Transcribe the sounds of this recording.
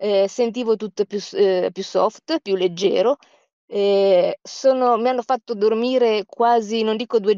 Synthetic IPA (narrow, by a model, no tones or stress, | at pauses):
ɛsent̪̬iːvot̪ut̪ːopjuspjusːɔft̪pjulːed͡ʒːɛ̰ːɾo | ɛsoːnomianːofat̪ːod̪ormiːɾekwaːzinond̪iːkod̪ue